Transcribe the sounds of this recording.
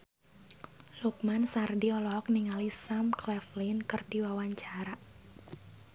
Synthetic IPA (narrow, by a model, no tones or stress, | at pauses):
luk̚mansardiɔlɔk̚niŋalisamklɛflinkɨrdiwawaɲt͡ʃaɾa